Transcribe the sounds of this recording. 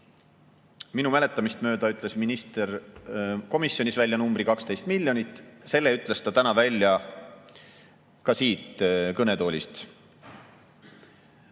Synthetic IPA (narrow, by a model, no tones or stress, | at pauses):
minumæle̞t̪ːˑɑmist̪mø̞ːd̪̥ɑyt̪ːˑle̞sminist̪er | ko̞misjo̞nisvælʲjɑnumb̥rikɑkst̪e̞jst̪milʲjo̞nit̪ːˑse̞lːe̞yt̪ːˑle̞st̪ɑt̪ænɑvælʲːjɑ | kɑsiːt̪kɤne̞t̪o̞ːlʲḭst̪